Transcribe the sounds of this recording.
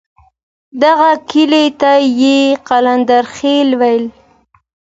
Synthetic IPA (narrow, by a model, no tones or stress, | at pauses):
d̪aɣakilet̪ajeqaland̪aɾxelwajl